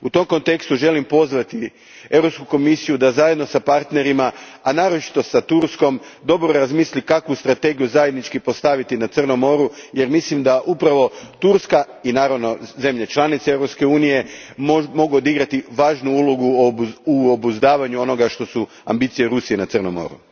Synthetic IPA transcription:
ut̪o̞mko̞nt̪e̞kst̪uʒe̞limpo̞zʋat̪i | e̞vɾo̞pskuko̞misijud̪azaje̞d̪no̞sapaɾt̪ne̞ɾimaanaːɾot͡ʃi̥t̪o̞sat̪uɾsko̞md̪o̞bɾoɾazmislikakʋust̪ɾat̪e̞ɡijuzaje̞d̪nit͡ʃkipo̞st̪aʋit̪inat̪sərno̞mo̞ɾuje̞ɾmislimd̪aʔupɾaʋo̞t̪uɾskainaːɾaʋno̞ze̞mʎe̞t͡ʃlˠanit̪see̞vɾo̞pske̞uːnije̞ | mo̞ɡood̪iɡɾat̪iʋaːʒnuulˠoɡuuobuzd̪aːʋaɲuo̞no̞ɡaʃt̪o̞su | a̰mbit̪sijeɾusije̞nat̪ɨrnomo̰ɾṵ

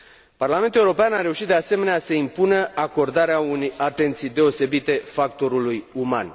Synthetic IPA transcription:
parlame̞nt̪uleuɾo̞peanaɾe̞uʃit̪d̪ease̞me̞neasəimpunəako̞rd̪aɾeaunejat̪e̞nt̪sijd̪e̞o̞se̞bit̪e̞fak̚t̪o̞ɾulujuma̰n

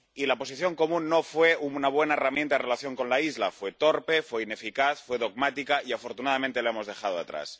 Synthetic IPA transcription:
ilapo̞siθjo̞ŋko̞mũnːofwe̞unaβ̞we̞naeramjent̪aerelaθjo̞ŋko̞nlaizla̰fwe̞t̪oɾpe̞fwe̞ine̞fikaθfwe̞ðoɣmat̪ikaiafo̞ɾt̪unaðamẽnt̪e̞lae̞mo̞zðe̞xaðoa̰t̪ɾa̰s

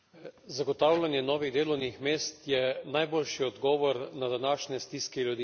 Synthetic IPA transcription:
zaɡɔt̪aːwlʲanjɛnɔːʋiɣd̪eːlɔwnixmeːst̪jɛnajboːlʃiɔd̪ɡɔːʋɔɾnad̪anaːʃnɛst̪iskɛljud̪iː

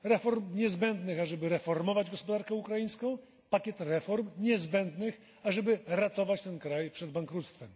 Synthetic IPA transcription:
ɾɛfɔɾmɲɛzbɛnd̪nɘxaʐɛbɘɾɛfɔɾmɔvad͡ʑɡɔspɔd̪aɾkɛukɾajĩjskɔ̃w̃ | pakʲɛt̪ɾɛfɔɾmɲɛzbɛnd̪nɘx | aʐɛbɘɾat̪ɔvat͡ɕt̪ɛnkɾajpʂɛd̪baŋkɾut̪st̪fɛm

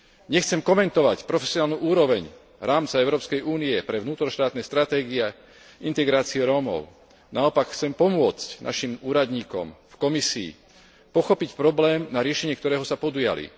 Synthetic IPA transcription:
ɲɛxt͡sɛmkɔmɛnt̪ɔʋacpɾɔfɛsiɔnaːlnuʔuːɾɔʋɛɲ | ɾaːmt͡saɛʊɾɔːpskɛjuːniɛpɾɛʋnuːt̪ɾɔʃt̪aːt̪nɛːst̪ɾat̪ɛːɡiɛ | int̪ɛɡɾaːt͡siɛɾɔːmɔ̰ʊ | naɔpakxt͡sɛmpɔmʊɔt͡scnʔa̰ʃimuːɾad̪ɲiːkɔ̰mfkɔmisḭː | pɔxɔpicpɾɔblɛːmnaɾɪɛʃɛɲɪɛkt̪ɔɾɛːɦɔsapɔd̪uja̰lḭ

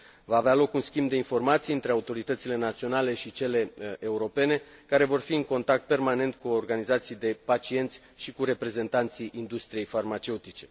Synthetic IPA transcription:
vaːvealo̞kunskʲimbd̪e̞info̞rmat̪sijɨnt̪ɾeaut̪o̞ɾit̪ət̪sile̞nat̪sio̞nale̞ʃit͡ʃe̞le̞euɾo̞pe̞ne̞kaɾe̞vo̞rfiɨŋko̞nt̪ak̚t̪̚pe̞rmane̞nt̪̚kuo̞rɡanizat̪sijd̪e̞pat͡ʃie̞nt̪sʲʃikuɾe̞pɾe̞ze̞nt̪ant̪siʔind̪ust̪ɾije̞jfarmat͡ʃe̞ut̪it͡ʃe̞̥

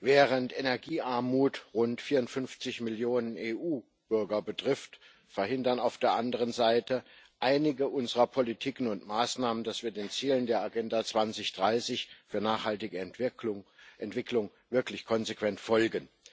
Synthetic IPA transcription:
vɛːʁəntenɛɐɡiːʔaɐmuːtʁʊntfiːɐʊntfʏnft͡sɪçmɪljoːnəneːʔuː | b̥ʏɐɡɐbətʁ̥ɪft | fɛɐhɪndɐnaʊfd̥eːɐʔandəʁ̞ənzaɪtə | ʔaɪnɪɡəʔʊnzəʁɐpʰɔlitʰiːkn̩ʊntmaːsnaːməndasv̥iːɐdeːnt͡siːləndeːɐaɡɛndat͡sv̥ant͡sɪçd̥ʁaɪsɪçfyːɐnaːχhaltɪɡəʊʔɛntv̥ɪkʰlʊŋ | vɪɐklɪçkʰɔnzekv̥ɛntfɔlɡən

